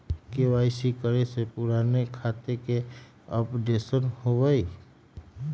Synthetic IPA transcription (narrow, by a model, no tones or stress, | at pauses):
kewaɪsikəɾesepʊɾanekʰat̪eke | əpɖesənhobəj